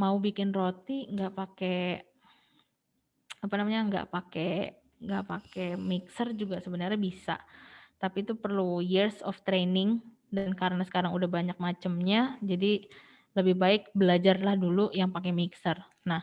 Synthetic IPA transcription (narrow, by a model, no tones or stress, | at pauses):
maubikɪnrot̪iŋɡaʔpake | apanamaɲaŋɡa̰ʔpake | ŋɡa̰ʔpakemiksərd͡ʒuɡasəbənarɲabisa̰t̪apit̪upərlujirsɔ̰ft̪ɾenɪŋ | dankaɾənasə̥kaɾaŋudahbaɲak̚mat͡ʃəmɲad͡ʒadi | ləbɪhbaɪk̚bəlad͡ʒarlahdulujaŋpakemiksər | nah